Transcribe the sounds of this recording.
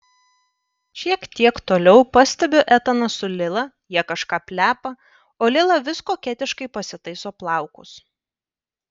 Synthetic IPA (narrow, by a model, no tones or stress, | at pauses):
ʃʲiɛkt̪ʲiɛkt̪oːlʲɛʊpɐsʲt̪ʲɛbʲoʔæt̪ɐnɐsʊlʲɪlˠɐ | jiɛkɐʃkɑːpʲlʲæːpɐ | oːlʲɪlˠɐʋʲɪskoːkʲæt̪ʲɪʃkɐɪpɐsʲɪt̪ɐɪsoːplˠɑˑʊkʊs